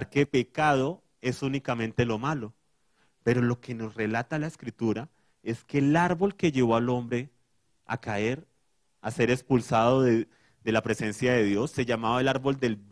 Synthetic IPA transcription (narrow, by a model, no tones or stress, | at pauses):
ɾkepe̞kaðo̞ | e̞sunikamẽ̞nt̪e̞lo̞malo̞ | peɾo̞lo̞ke̞no̞sre̞lat̪alaeskɾit̪uɾa | e̞ske̞ːlaɾβo̞lke̞ʝe̞βo̞alo̞mbɾe̞ | a̰kae̞ɾ | ase̞ɾe̞kspulsaðo̞ðe | d̪e̞lapɾe̞se̞nsjaðe̞ðjo̞sːe̞ʝamaβae̞laɾbo̞ld̪e̞l